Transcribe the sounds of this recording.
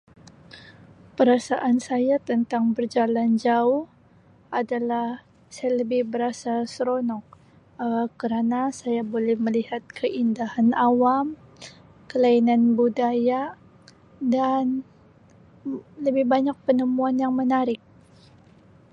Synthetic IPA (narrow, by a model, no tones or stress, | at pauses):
pəɾasaʔansajat̪ənt̪aŋbərd͡ʒaland͡ʒauh | ʔadalah | sajaləbɪhbəɾasasɾonɔk̚ | əkəɾanasajabolɛhməlihat̪̚kʰəʔindahanawam | kəlainanbudaja | dan | ləbɪhbaɲak̚pənəmuanjaŋmənaɾɪk̚